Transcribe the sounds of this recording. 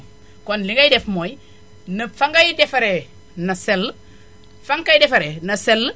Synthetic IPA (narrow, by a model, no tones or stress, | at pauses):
konliŋɡajdefmoj | nɐfaŋɡajidefaɾe | naselː | faŋkajdefaɾenɐsel